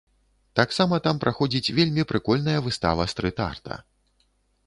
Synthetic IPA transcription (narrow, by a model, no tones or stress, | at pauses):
t̪aksamɐt̪ampɾʔaxɔd͡zʲit͡sʲvʲelʲmʲipɾɨkɔlʲnɐjɐvɨst̪a̰vɐst̪ɾɨt̪a̰rt̪ɐ̰